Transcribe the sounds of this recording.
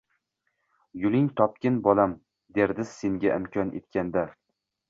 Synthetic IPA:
jʊlˠɪŋt̪ʰɒp̚kʲɪnbɒlam | d̪eɾd̪ɪsːe̞ŋɡʲaʔɪmkʰʲɒnḛt̪̚kʲʰand̪a

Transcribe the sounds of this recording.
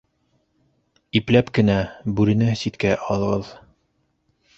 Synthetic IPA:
iplæpkɘ̆næbʉɾɘ̆næsit̪kæʔɑlˠɤ̆ʁɤð

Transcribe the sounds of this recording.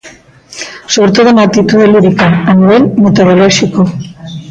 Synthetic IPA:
soβ̞ɾet̪oð̞onak̚t̪it̪uðeliðikaaniβ̞elmet̪oɾolɔʃiko

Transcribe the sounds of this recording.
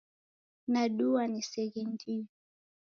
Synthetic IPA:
naɗuanisɛɣindiɔ

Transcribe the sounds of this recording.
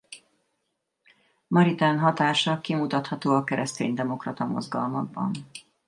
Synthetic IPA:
mɒɾit̪anɦɒt̪aːʃɒkimut̪ɒt̪hɒt̪oːɒkɛɾɛst̪ḛːɲd̪ɛmo̞krɒt̪ɒmo̞̰zɡɒ̰lmɒɡ̚bɒ̰n

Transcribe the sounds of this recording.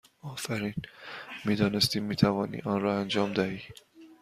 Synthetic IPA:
ɒːfæɾiːnmiːd̪ɒːnest̪iːmːiːt̪ʰævɒːnḭːɒnrɒːænd͡ʒɒːmd̪æhiː

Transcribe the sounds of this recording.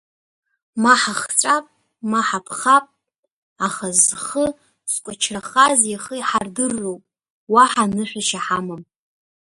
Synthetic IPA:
maħaχt͡sʷʼapʼ | maħapʰχapʼ | aχazχə | skʷʼat͡ʃʰraχazjaχəiħardɨrːowpʼ | waħanɨħʷᶣaʃaħamam

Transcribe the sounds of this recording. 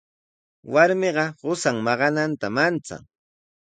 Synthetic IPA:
waɾmɪɢɑɢʊsaŋmɑɢɑnant̪amant͡sa̰ŋ

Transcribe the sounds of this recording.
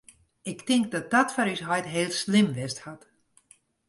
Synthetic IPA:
ɪktɪŋk̚dɔt̚d̥ɔtfɔɾysɦɔjtɦeːlˠslɪmʋɪsthat

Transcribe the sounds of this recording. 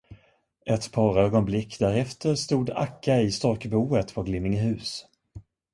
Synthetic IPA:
ʔɛt̪pʰɑːɾøːɡɔnblɪkːd̪æɾɛft̪ʰəɾst̪uːd̪a̰kʰːaɪst̪ɔɾkbuːət̪pʰɔɡlɪmːɪŋɦʉ̟ːs

